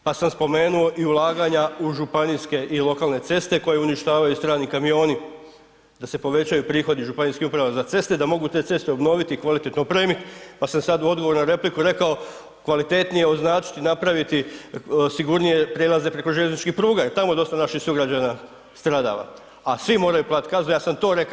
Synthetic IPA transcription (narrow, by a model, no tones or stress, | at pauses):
pasamspo̞me̞ːnuo̞ʔiulˠaːɡaɲauʒupaniske̞ʔilo̞kaːlˠne̞t̪se̞st̪e̞ko̞je̞uniʃt̪aːʋajust̪ɾaːnikamio̞ːni | d̪ase̞po̞ʋe̞t͡ɕajupɾiːxo̞d̪iʒupaniːskihupɾaʋazat̪se̞st̪e̞d̪amo̞ɡut̪e̞ːt̪se̞st̪e̞obno̞ːʋit̪ikʋalit̪e̞t̪nopɾeːmit̪pasamsad̪uo̞d̪ɡo̞ʋo̞ɾnoɾe̞plikuɾe̞kao̞ | kʋalit̪e̞t̪nije̞o̞znaːt͡ʃi̥t̪inapɾaʋit̪i | siɡuɾnije̞pɾelˠaze̞pɾeko̞ʒeʎʲenit͡ʃkihpɾuːɡaet̪amoed̪o̞st̪anaʃihsuɡɾad͡ʑana | st̪ɾaːd̪a̰ːʋa̰ | asʋimo̞ːɾajuplat̪kazojaːsamt̪o̞ːɾe̞k